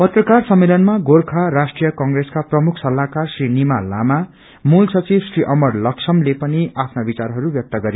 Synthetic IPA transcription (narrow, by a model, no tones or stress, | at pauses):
pʌt̪rʌkarsʌmːelʌnmaɡorkʰaɾasʈrijʌkʌŋɡreskaprʌmukʰsʌlːakarsrinimala̰ma | mulsʌt͡sibsriʔʌmʌrlʌksʰʌmlepʌniapʰnabit͡sarɦʌɾubjʌk̚t̪ʌɡʌɾe